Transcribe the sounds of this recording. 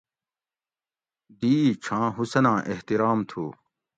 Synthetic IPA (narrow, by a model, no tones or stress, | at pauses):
d̪iːt͡ɕʰãːɦusɐnãːʔeht̪iɾaːmt̪ʰuː